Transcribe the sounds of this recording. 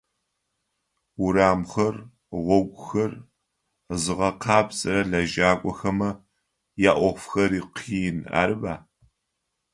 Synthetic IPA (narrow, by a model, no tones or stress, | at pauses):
wʊɾaːmxɐr | ʁʷɔɡʷʊxɐr | zɨʁɐqʰɑːbsʼɐrɐɮɐʒaːkʷʼɔxɐmɐ | jaːʔʷɔχfxɐɾiːqʰiːna̰ːɾɨbaː